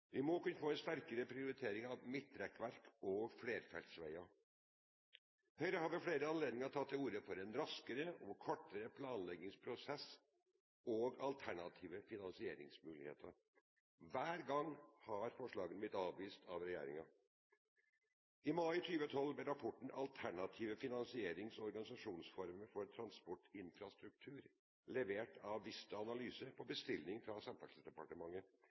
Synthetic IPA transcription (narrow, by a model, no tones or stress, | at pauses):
ʋɪmɔkʉnːəfoːɛnst̪æɾkəɾəpʰɾɪʊɾɪt̪ʰeːɾɪŋɑʋmɪt̪ːɾɛkʋæɾkʰɔɡfɽeːɾfɛ̰lsʋæ̰ɪɑ | hœʏɾəhɑːɾʋɪfɽeːɾəɑnleːd̪ɪŋɑt̪ʰɑt̪ːɪuːɾəfɔɾɛnɾɑskəɾəɔkʰɔʈːəɾəpʰlɑːnlɛɡɪŋspʰɾʊsɛs | oːɡɑlt̪ʰæɳɑt̪ʰiːʋəfɪnɑnsɪḛːɾɪ̰ŋsmʉːlɪ̰hḛːt̪ʰəɾ | ʋæːɾɡɑŋːhɑɾfɔʂɭɑːɡənblɪt̪ɑːʋʋiːst̪ʰɑʋɾɛjḛːɾɪ̰ŋɑ | ɪmɑɪt̪ʰyːʋət̪ʰɔlːblɛɾɑpʰɔʈɳ̩ʔɑ̰lt̪ʰæɳɑt̪ʰiːʋəfɪnɑnsɪeːɾɪŋsɔɾɡɑnɪsɑʂuːnsfɔɾməɾfɔɾt̪ʰɾɑnspɔʈɪnfɾɑst̪ɾʉk̚t̪ʰʉːɾ | lɛʋeːʈʰɑʋːɪst̪əɑnɑlyːsəpʰɔbəst̪ɪlnɪŋfɾɑsɑmt̪ɑk̪ssd̪ɛpɑʈəmɑŋːə